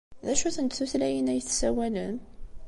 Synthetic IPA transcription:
ðæʃuθənt̪θuθlæjənæjθsæwælən

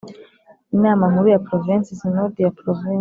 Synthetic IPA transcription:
inaːmaŋhuɾujapɾovĩnsisinod̪ijapɾovi

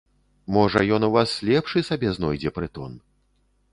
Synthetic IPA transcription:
mɔʐɐjɔnuvaslʲɛpʂɨsabʲɛznɔjd͡zʲɛpɾɨt̪ɔn

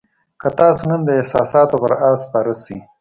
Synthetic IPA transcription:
kət̪ɑsonand̪əɪhsɑ̰sɑt̪opəɾɑspɑɾəsi

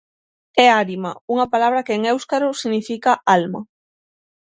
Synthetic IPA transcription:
ɛaɾimauŋɐpalaβ̞ɾɐkeeŋewskaɾʊsiɣnifikaalmɐ̰

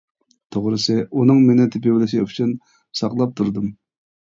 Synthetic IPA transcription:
t̪ʰoʁɾɨsɨʔunɨŋmenɪt̪ʰɪpɪwɪlɪʃiyt͡ʃʰyn | sɑqlˠɑp̚t̪ʰuɾd̪ɨm

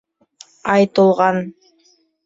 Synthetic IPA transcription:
ɑjt̪ɤ̆lˠʁɑn

